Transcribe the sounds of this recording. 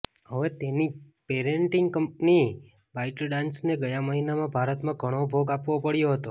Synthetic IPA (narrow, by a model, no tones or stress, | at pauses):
ɦəʋet̪eni | peɾeɳʈɪŋɡkəmpni | baiʈəlɖãnsneɡəjaməɦinamãbʱaɾət̪mãɡʱəɽ̃obʱoɡapʋopəɽjoɦət̪o